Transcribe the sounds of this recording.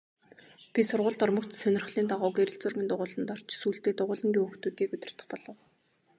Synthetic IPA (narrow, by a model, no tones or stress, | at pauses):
pʲisʊrʁʊːɮt̪ɔrmə̆kt̪sœnʲɪ̆rχɮiːnt̪aʁʊːɡeɾʲɪ̆ɮt͡sʊrmʲint̪ʊʁʊːɮə̆nt̪ɔr̥t͡ɕʰsuːɬt̪eːt̪ʊʁʊːɮə̆ŋɡʲiːuxt̪uːt̪iːkɵt̪ɪ̆r̥t̪ə̥̆χpɔɮɞ̆w